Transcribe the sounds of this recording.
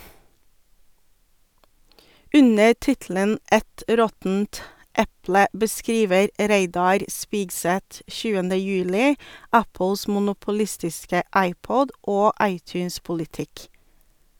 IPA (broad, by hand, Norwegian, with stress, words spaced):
ˈʉnə ˈtɪtl̩ən ˈɛt ˈɾɔtn̩t ˈɛplə bəˈskɾiːʋəɾ ˈɾeɪdɑɾ ˈspiːɡˌsɛt ˈçʉːəndə ˈjʉːlɪ ˈɑpl̩s mʊnʊpʊˈlɪstɪskə ˈɑɪˌpɔd ˈoː ˈɑɪˌtjʉːnspʊlɪˌtɪk